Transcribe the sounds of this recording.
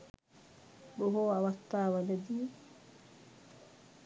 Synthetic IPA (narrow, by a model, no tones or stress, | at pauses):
ɗɔɦɔːawat̪ːaːwaladi